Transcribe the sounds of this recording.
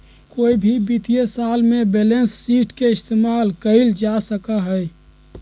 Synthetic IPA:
koːibʱibit̪iesaːlmẽbelensːiːʈkeɪst̪eːmaːlkəild͡ʒasəkaɦɛɛ

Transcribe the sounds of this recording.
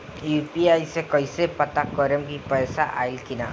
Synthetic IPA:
juːpiajsekəisepət̪akɔɾəmkipɛːsaʔa̰ilkɪna

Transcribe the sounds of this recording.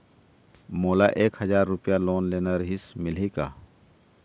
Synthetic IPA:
moːlaʔeːkhɐzaːɾːʊpjaloːnleːnaɾɐɦɪsmɪlika̰ː

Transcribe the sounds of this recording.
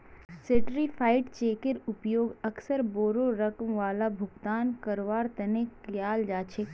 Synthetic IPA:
seːʈɾipʰaːɪʈt͡ʃeːkeɾʊpjoːɡɐksəɾboːɾoɾɐkmʋaːlabʱʊɡt̪aːnkɐɾʋaːɾt̪ɐnekjaːld͡ʒaːt͡ʃʰeː

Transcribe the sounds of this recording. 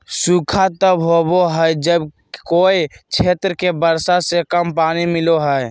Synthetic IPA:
suːkʰat̪əbɦoboɦəjd͡ʒəb | koːit͡ʃʰeːt̪ɾəkebəɾsasekəmpaːnimɪloɦɛj

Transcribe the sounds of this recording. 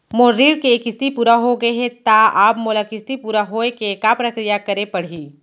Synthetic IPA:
moːɾiːɽkeeːkɪst̪ipuːɾaɦoɡɐeɦet̪aaːpmoːlakɪst̪ipuːɾaɦoːekekapɾɐkɾijakɐɾepɐɽ̤iː

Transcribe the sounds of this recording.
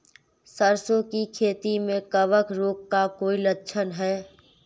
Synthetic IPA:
səɾsõkikʰeːt̪imẽkəʋəkɾoːkːakoːilətːʃʰənɦɛː

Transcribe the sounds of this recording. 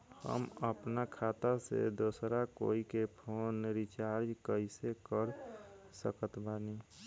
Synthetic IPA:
hə̰məpnakʰaːt̪asḛd̪oːsɾako̰ːikepʰoːnɾit͡ʃaːɾd͡ʒkəɪsekəɾsə̰kət̪bani

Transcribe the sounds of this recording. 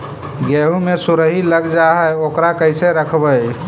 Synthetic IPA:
ɡeɦumesuɾəɦiləɡd͡ʒaɦəjokɾakəjseɾəkʰbəj

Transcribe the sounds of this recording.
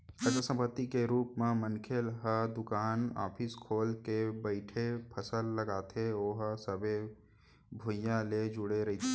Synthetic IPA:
əʃəsə̃mpət̪ːikeɾuːpmẽmənkʰelɦəd̪ʊkaːna̰ːpʰɪskʰoːlkebəɪʈʰepʰəsəlːəɡaːt̪ʰeoːɦəsəbe | bʱʊjãled͡ʒʊɽeɾɐɦit̪ʰe

